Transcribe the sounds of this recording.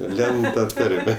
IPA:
ˈlʲɛnt tɐ ˈtɐrʲmʲɛ

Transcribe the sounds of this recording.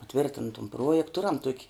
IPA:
pɐˈtʲʋʲɪrʲtʲɪn tʊm ˈpruɔjɛkt ˈtʊrɐm tuɔkʲ

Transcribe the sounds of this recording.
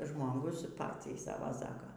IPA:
ʒmoːˈɡʊs ˈpɑːt͡sʲɛɪ ˈsɑːʋɐ ˈsɑːkɐ

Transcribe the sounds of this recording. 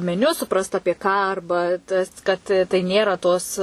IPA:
mʲɛˈnʲʊ sʊˈprɐst ˈɑːpʲiɛ kɑː ˈɐrbɐ tɐs kɐt tɐɪ ˈnʲeːrɐ toːs

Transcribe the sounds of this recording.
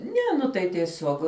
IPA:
ˈnʲɛ nʊ ˈtɐɪ tʲiɛˈsʲoːk

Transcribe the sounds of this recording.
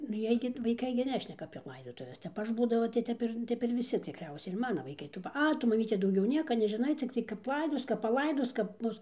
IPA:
nʊ ˈjiɛj ɡʲɪ ʋɐɪˈkɐɪ ɡʲɪ ˈnʲæːʃʲnʲɛkɐ ɐpʲiɛ ˈlˠɐɪdoːtʊʋʲɛs ˈtʲɛp ˈɐʃ ˈbuːdɐʋɐ tɐɪ ˈtʲɛp ɪr ˈtʲɛp ɪr ʋʲɪˈsʲɪ tʲɪkˈrʲɛʊsʲɛɪ ɪr ˈmɑːnɐ ʋɐɪˈkɐɪ ˈtuː pɐ ˈɐ ˈtʊ mɐˈmʲiːtʲɛ dɐʊˈɡʲɛʊ ˈnʲiɛkɐ nʲɛʒʲɪˈnɐɪ t͡sʲɪkˈtɐɪ kɐp ˈlˠɐɪdoːs kɐp pɐˈlˠɐɪdoːs kɐp ˈbʊs

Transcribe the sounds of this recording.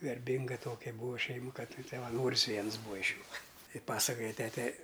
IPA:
ɡɐrʲˈbʲɪŋɡɐ ˈtoːkʲɛ ˈbuːʋɐ ˈʃʲɛɪmʊ ˈkɐt sɐʋɐˈnoːrʲɪs ˈʋʲiɛns ˈbuːɐ ɪʃ ˈjuː ˈtɐɪ ˈpɑːsɐkoːjɛ ˈtʲæːtʲɛ

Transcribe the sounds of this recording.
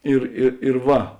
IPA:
ɪr ˈɪ ɪr ˈʋɐ

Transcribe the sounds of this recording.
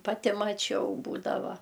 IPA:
pɐˈtʲɪ mɐˈt͡ʃʲɛʊ ˈbuːdɐʋɐ

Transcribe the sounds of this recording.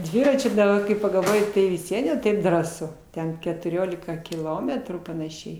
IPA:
ˈdʲʋʲɪrɐt͡ʃʲʊ dɐˈbɐ kɐɪ pɐɡɐlˠˈʋoːjɪ tɐɪ ʋʲɪs ˈʋʲiɛn jɛʊ ˈtɐɪp ˈdrɑːsʊ ˈtʲɛn kʲɛtʊˈrʲoːlʲɪkɐ kʲɪˈlˠoːmʲɛtruː pɐnɐˈʃʲɛɪ

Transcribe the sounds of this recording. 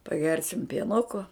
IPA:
pɐˈɡʲɛrʲsʲɪm pʲiɛˈnʊkoː

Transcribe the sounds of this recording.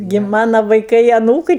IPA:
ɡʲɪ ˈmɑːnɐ ʋɐɪˈkɐɪ ɐˈnuːkɨɪ

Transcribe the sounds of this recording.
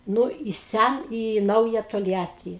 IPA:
ˈnʊ ɪ ˈsʲæ iː ˈnɐʊjɛ toːlʲˈjæːtʲiː

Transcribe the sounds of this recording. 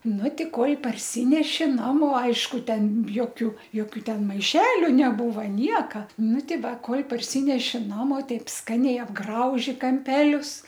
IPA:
ˈnʊ ˈtʲiː ˈkoːlʲ pɐrʲˈsʲiːnʲɛʃʲɪ ˈnɑːmoː ˈɐɪʃkʊ ˈtʲɛn ˈjoːkʲʊ ˈjoːkʲʊ ˈtʲɛn mɐɪˈʃʲæːlʲʊ nʲɛˈbuːʋɐ ˈnʲiɛkɐ ˈnʊ ˈtʲɪ ˈʋɐ ˈkoːlʲ pɐrʲˈsʲiːnʲɛʃʲɪ ˈnɑːmoː ˈtɐɪp ˈskɑːnʲɛɪ ɐbˈɡrɐʊʒʲɪ kɐmʲˈpʲæːlʲʊs

